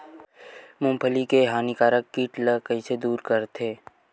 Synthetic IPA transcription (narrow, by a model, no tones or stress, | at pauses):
mʊ̃mpʰəlikeɦaːnikaːɾəkːiːʈləkəised̪uːɾkəɾt̪ʰeː